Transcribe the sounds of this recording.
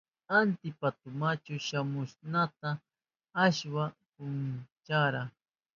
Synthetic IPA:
ant̪ɪpat̪ʊmat͡ʃʊʃamʊʃnat̪aː | ʃwapʊnt͡ʃaɾa

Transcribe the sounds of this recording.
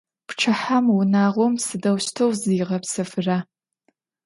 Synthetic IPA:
pʰʈ͡ʂʰaħamwʊnaːʁʷomsɨdɐwʃtʰowziːʁɐpsɨfɨra

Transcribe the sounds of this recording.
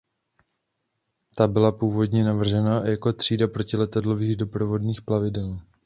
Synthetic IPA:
t̪abɪlapuːvo̞dɲɛnavr̩ʒɛnajako̞t̪r̝̥iːdapɾo̞cɪlɛt̪adlo̞viːɣdo̞pɾo̞vo̞dniːxplavɪdɛl

